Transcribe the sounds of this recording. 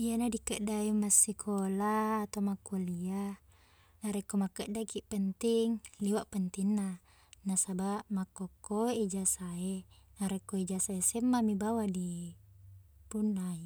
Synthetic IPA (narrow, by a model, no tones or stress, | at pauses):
ianadikəʔdaemːasːikʰolaːt̪omakːolia | naɾekːomakːəʔdakiʔpənt̪iŋliwaʔpənt̪inːa | nasabaʔmakːokːoid͡ʒasaenaɾekːoid͡ʒasaesemːamibawadi | punːai